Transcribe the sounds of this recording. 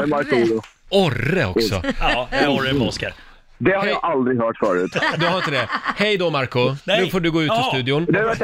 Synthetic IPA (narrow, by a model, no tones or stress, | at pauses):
ɛmaɾkulʊ | ɔrəɔ̰ksɔ̰ | ɔɾəmɔskəɾ | d̪ɛhaɾjaʔald̪ɾɪɦœːʈfœːɾʉ̟ːt̪d̪ɵhaɾɪnt̪əd̪ɛhɛjd̪ɔmaɾkʊʉfoːɖɵɡoːʉ̟ːɔst̪ʉ̟ːd̪ɪʊnd̪ɛaɾvæʈ